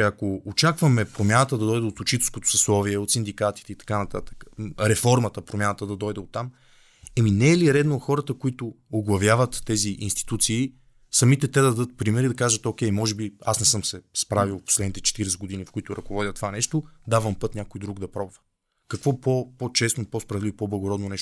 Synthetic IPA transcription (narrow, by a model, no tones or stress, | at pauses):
ɐkoot͡ʃakvəmɛpɾomʲjanət̪əd̪ɐd̪ɔjd̪ɛot̪ot͡ʃit̪ɛskot̪o̥sɛslˠɔviɛot̪sind̪ikat̪i̥t̪ɛit̪ɐ̥kanɐt̪a̰t̪ə̥kə̥ɾɛfɔɾmət̪əpɾomʲjanət̪əd̪ɐd̪ɔjd̪ɛot̪ːam | ɛminɛːliɾɛd̪noxɔɾət̪əkoit̪ʊoɡlˠɐvjavət̪ːɛziʔḭnst̪i̥t̪ut̪siː | sɐmit̪ɛt̪ɛd̪ɐd̪ɐd̪ɤt̪̚pɾimɛɾid̪ɐkaʒət̪okʲɛjmɔʒɛbiasnɛsɤmsɛspɾavilˠpo̥slɛd̪nit̪ɛt͡ʃɛ̥t̪iɾɛsɛɡod̪inifkʊit̪ʊɾɐkovɔd̪ʲjət̪ːovanɛʃt̪oʊd̪avəmpɤt̪nʲakojd̪ɾuɡd̪ɐpɾɔbʊvə̥ | kɐkvɔpopot͡ʃɛsnopospɾɐvɛdlivpɔblˠɐɡoɾɔd̪nonɛʃ